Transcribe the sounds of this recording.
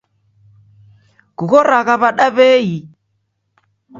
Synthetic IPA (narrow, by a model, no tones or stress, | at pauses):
kuɣɔɾaɣaβaɗaβɛi